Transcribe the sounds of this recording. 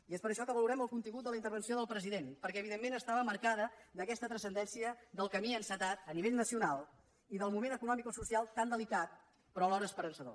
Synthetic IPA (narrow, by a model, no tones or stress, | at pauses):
iespəɾəʃɔkəβəluɾɛməlˠkunt̪iŋɡut̪ələint̪əɾβənsioðəlˠpɾəziðenpəɾkɛəβiðemːenəst̪aβəməɾkaðəd̪əkɛst̪ət̪ɾəsənd̪ɛnsiəd̪əlˠkəmiənsət̪at̪əniβeʎnəsiunalˠ | iðəlˠmumenəkunɔmikosusialˠt̪and̪əlikat̪̚ | pɾɔəlɔɾəːspəɾənsəðo̰